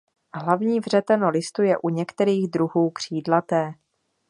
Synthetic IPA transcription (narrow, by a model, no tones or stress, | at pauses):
ɦlavɲiːvr̝ɛt̪ɛnolɪst̪ujɛʔuɲɛkt̪ɛɾiːɣd̪ɾuɦuːkr̝̥iːdlat̪ɛː